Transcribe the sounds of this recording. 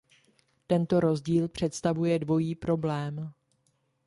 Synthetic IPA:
t̪ɛnt̪o̞ɾo̞zɟiːlpr̝̥ɛt̪st̪avujɛdvo̞jiːpɾo̞blɛːm

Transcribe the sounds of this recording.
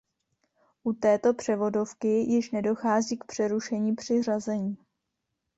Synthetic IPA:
ʔut̪ɛːt̪o̞pr̝̥ɛvo̞do̞fkɪjɪʃnɛdo̞xaːziːk̚pr̝̥ɛɾuʃɛɲiːpr̝̥ɪr̝azɛɲiː

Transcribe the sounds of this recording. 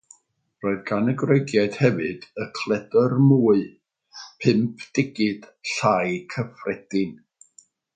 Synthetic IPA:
roːɨðɡanɛɡreɡjaɨd̥hɛvɨdəkʰlˠɛdərmuːɨ | pʰɪmpʰd̥ɪɡɪd̥ɬajkʰəfrɛd̥ɪn

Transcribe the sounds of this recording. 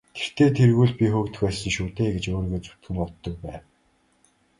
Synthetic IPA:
t̪ʰe̥r̥t̪eːt̪ʰerɣuːɮpʲixɵːkt̪ɘ̥̆xpæːsə̆ŋʃuːt̪eːɡet͡ɕoːrɣeːt͡su̥t̪ɡɘ̆mpɔt̪ːɞ̆k̚pæːw

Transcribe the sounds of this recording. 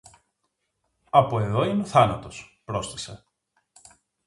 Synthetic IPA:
ɐpoe̞ðo̞ineoθɐnɐt̪o̞spɾo̞st̪ise

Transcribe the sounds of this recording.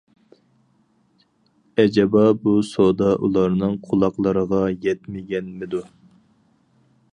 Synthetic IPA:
ɛd͡ʒɛbɑbusod̪ɑʔulˠɑɾnɨŋqʰolˠɑqlˠəɾəʁɑjɛt̪mɪɡʲɛnmɪd̪u

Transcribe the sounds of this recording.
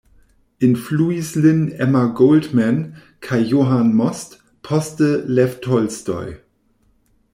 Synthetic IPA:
ʔɪnfluislɪnɛmɐɡoʊldmɛn | kʰaɪjoːɦanmɔst | pʰɔstəlɛftʰɔlsdɔ̰ʏ

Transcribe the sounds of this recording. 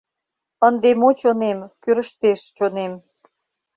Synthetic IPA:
ənd̪emot͡ɕonemkyɾəʃt̪eʃt͡ɕonem

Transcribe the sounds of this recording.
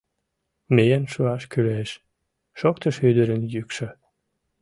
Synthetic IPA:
mejənʃuɑʃkyleʃ | ʃokt̪əʃyd̪əɾənjykʃə

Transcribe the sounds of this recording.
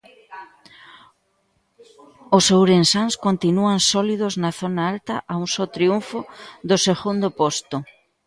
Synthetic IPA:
osowɾensaŋskont̪inuansɔlið̞oznɐθonaalt̪ɐʔauŋsot̪ɾiuɱfoðoseɣund̪opost̪ʊ

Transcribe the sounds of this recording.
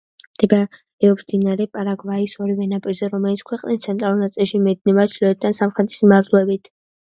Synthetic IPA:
md̪̥ɛba | ɛɔpsd̪inaɾɛpʼaɾaɡvaisɔɾivɛnapʼiɾzɛɾɔmɛlit̪sʰkʰwɛqʼnist̪sʰɛnt̪ʼɾalˠuɾnat̪sʼilˠʃimɛd̪̚nɛbat͡ʃʰlɔt̪̚d̪ʰansamχɾɛt̪ʼi̥smaɾt̪ʰulɛbit̪ʰ

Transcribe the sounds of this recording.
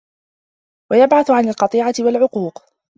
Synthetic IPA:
wajabʕaθʊʕanɪlqɑt̪ˤiːʕat̪ɪwalʕʊquːq

